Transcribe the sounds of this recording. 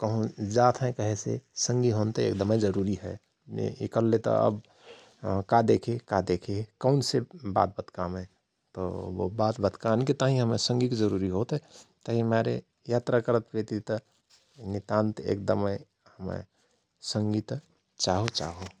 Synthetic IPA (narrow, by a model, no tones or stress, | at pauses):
kəɦũd͡ʒat̪ʰɦɛ̃kəɦesḛsə̃ŋɡiɦont̪eḛk̚d̪əmed͡ʒəɾuɾiɦɛ̰ | ḛḛkəlːet̪ɔ̰ə̰b | kad̪ekʰekad̪ekʰekəʊnseba̰t̪̚bət̪kamɛ̃ | t̪ɔo̰bat̪bət̪kanket̪aɦĩɦəmesə̃ŋɡikd͡ʒəɾuɾiɦot̪ɦɛt̪əɦimaɾḛ | jat̪ɾakəɾət̪̚pet̪it̪ɔ | nit̪ant̪ḛk̚d̪əme | həmə̰̃ | səŋɡit̪ | t͡ʃaɦot͡ʃa̰ɦo